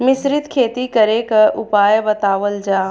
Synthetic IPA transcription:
mɪsɾɪt̪kʰeːt̪ikɐɾekɐɾʔʊpaːjbɐt̪aːʋəld͡ʒaː

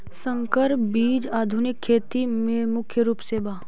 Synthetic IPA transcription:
sə̃ŋkəɾpbiːd͡ʒaːd̪ʱʊnɪkʰːeːt̪imẽmʊkʰjəɾuːpseːbaː

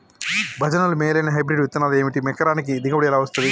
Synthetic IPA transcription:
bʱɐd͡ʒɐnɐlumeːjlɐjnɐɦɐjbɾeɖʋit̪ːɐnːaːleːmiʈimekːɐɾaːnik̬id̪iɡɐʋɐɽiɛlaːʋɐst̪ɐnd̪i

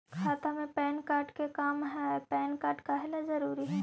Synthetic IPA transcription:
kʰaːt̪amẽpɛːnkaːɾʈkekaːmɦɛpɛːnkaːɾʈkaɦlazɐɾuːɾiɦɛː

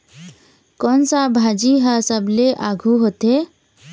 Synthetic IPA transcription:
kɔːnsabʱad͡ʒiɦasəbleʔaɡʱuɦot̪e

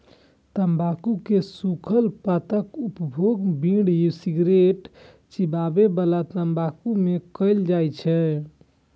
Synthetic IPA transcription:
t̪əmbʱakukesukʰəlpat̪əkupəbʱoɡbĩɽjusiɡɾeʈ | t͡ʃibabebəlat̪əmbakumekəɪld͡ʒajt͡ʃʰɛ

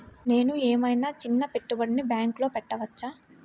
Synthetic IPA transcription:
ne̞ːnueːmɐjnaːt͡ʃinːɐpe̞ʈːubɐɽinibjaːŋklo̞ːpɛʈːɐʋɐt͡ʃːaː

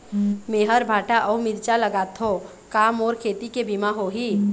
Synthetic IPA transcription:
meɦəɾbʱaːʈaʔɔːmɪɾt͡ʃaləɡaːt̪ʰɦo | kaːmɔːɾkʰeːt̪ikebʱimaɦoɦiː

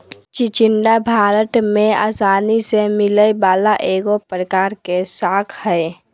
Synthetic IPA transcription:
t͡ʃit͡ʃɪɳɖabʱaːɾəʈ̪mẽa̰ːsaːnisemɪləjbaːlaʔeːɡopɾəkaːɾkesaːkʰhəe

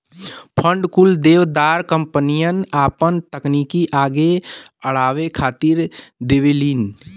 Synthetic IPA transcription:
pʰə̃ɳɖkuld̪eːʋd̪aːɾkə̃mpənijənaːpənt̪əkniːkiʔaːɡeəɽaːʋekʰaːt̪iɾd̪eʋiliːn

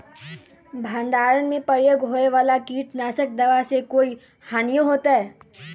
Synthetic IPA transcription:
bʱãːɳɖaːɾənmẽpɐɽjeɡʱoːeʋaːlakiːʈnaːsək̚d̪ɐʋasekoːi | haːnijõɦoːt̪aɦɛː

